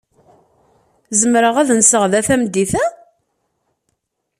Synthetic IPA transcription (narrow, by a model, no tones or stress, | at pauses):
zəmɾəʁæðnsəʁðæθæmd̪iθæ